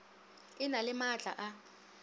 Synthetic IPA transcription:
ɪnalɪmat͡ɬʼa̰ʔa

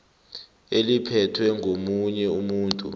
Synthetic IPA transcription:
elipʰɛtʰwɛŋʱomuɲɛumuːntʼṵ

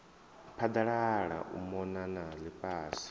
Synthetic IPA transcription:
pʰad̪aɺaɺa̰ʔṵmɔnanalipʼaːsi̥

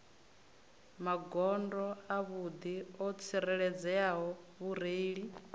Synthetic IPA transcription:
maɡɔndɔaβud̪iɔt͡sʰiɾɛɺɛd͡zɛaɦɔ | βuɾeiɺi

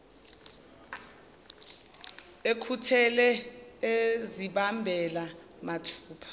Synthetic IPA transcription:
ekʰutʰɛlɛeziɓambʱɛla | matʰu̥ːpʰḁ

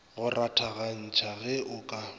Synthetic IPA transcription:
ɣʊrʔatʰaɣan̩t͡ʃʰaɣɛʔʊkʼa

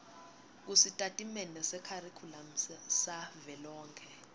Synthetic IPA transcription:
k̬usitʼatʼimɛnɛsɛkʰarikʰulam̩savɛlɔːŋkʰɛ

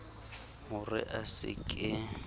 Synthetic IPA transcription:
mʊrɪ̰ʔasɪ̰kʼɪ

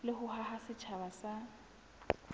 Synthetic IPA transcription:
lɪhʊɦaɦasɪt͡ʃʰaβasa

